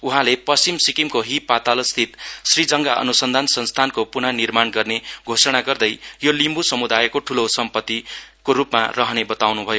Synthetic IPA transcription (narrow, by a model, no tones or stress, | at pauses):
uɦãlepʌst͡simsikimkoɦipat̪alʌst̪ʰit̪srid͡zʌŋɡaʔʌ̰nusʌnd̪ʱansʌnst̪ʰankopunʌnirmanɡʌrneɡʱosʌɽ̃aɡʌrd̪ʌjjolimbusʌmud̪ajekoʈʰulosʌmpʌt̪ːikorupma̰rʌɦʌnebʌt̪awnubʱʌjo